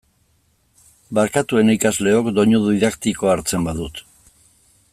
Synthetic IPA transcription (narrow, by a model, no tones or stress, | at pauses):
baɾkat̪ue̞naikazle̞o̞kd̪o̞ɲuðiðakt̪iko̞aɾt͡se̞mbaðut̪